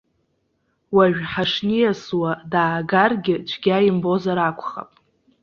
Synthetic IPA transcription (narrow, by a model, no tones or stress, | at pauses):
waɥᶣħaʂnijaswadaːɡarɡʲɪt͡ʃʷʰɡʲajɪmbo̞zaɾakʷʰʼχa̰pʼ